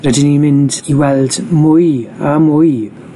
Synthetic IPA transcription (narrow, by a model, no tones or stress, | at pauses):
rɛdɪnimɪndiwɛlˠd̥mʊjamʊj